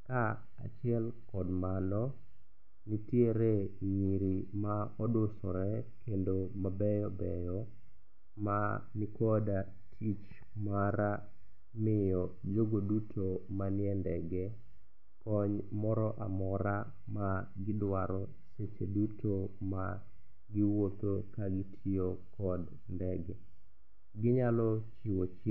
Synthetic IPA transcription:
ka | a̰t͡ʃɪɛlkɔdmanɔ | nitjeɾeɲiɾimaɔdosɔɾɛkendomabɛjɔbɛjɔ | manikɔda | tʰit͡ʃ | maɾa | mɪjɔd͡ʒoɡodutʰomanɪɛndɛɡɛ | kɔɲmɔɾɔʔamɔɾa | ma | ɡɪdwaɾɔ | set͡ʃedutʰoma | ɡɪwot̪okaɡɪtʰɪokɔd | ndɛɡɛ | ɡɪɲalɔt͡ʃiwot͡ʃ

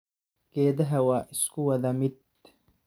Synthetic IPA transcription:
ɡ̥ɛːðɐɦɐwaːʔɪskʰʊwɐðɐmɪd̪̚

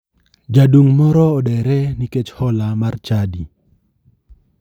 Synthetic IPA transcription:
d͡ʒaduŋmɔɾɔɔdɛɾɛniket͡ʃhɔlamart͡ʃadi

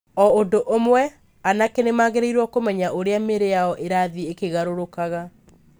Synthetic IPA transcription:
ɔodoʔomwɛ | anakenemaːɣeɾeiɾwɔkomɛɲaʔoɾeameɾejaɔʔeɾaðiekeɣaɾoɾokaɣa

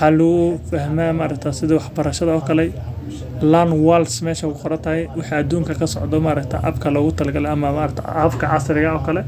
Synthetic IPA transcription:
ħɑlʊɣʊfɐhmaːmaːɾɐkt̪ʰaːsɪðɐwɑħbɐɾɐʃɐðɐɔːkʰɐlɛj | lanwalsmɛːʃɐkʊqɔɾɐt̪ʰɐhɛjwɑħiɐd̪uːŋkʰɐkʰɐsɔ̰ʕd̪ɔmaːɾɐkt̪ʰa̰ʔɐ̰bkʰɐlɔːɣʊt̪ʰɐlɐɡɐlɛɐmɐmaːɾɐkt̪ʰa̰ɐfkʰɐʕɑsɾɪɣɐɔːkʰɐlɛ

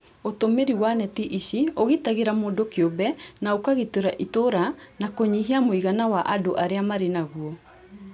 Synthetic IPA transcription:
otomeɾiwanɛtiʔiɕioɣitaɣeɾamoːdokeobɛnaokaɣetoɾaʔitoɾanakoɲiɦiamoiɣanawaʔadoʔaɾeamaɾenaɣuɔ

